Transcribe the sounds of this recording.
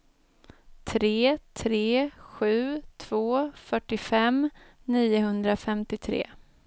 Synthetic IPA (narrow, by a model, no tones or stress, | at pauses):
t̪ʰɾeːt̪ʰɾeːɧʉ̟ːt̪ʰv̥oːfœʈːɪfɛm | niːʊɦɵnd̪ɾafɛmt̪ɪt̪ʰɾḛː